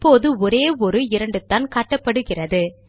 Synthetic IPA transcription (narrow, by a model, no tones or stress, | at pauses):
pːoːðɯɔɾeːɔɾɯɪɾɐɳɖɯt̪ːaːnkaːʈːɐpːɐɽɯɣɪrɐðɯ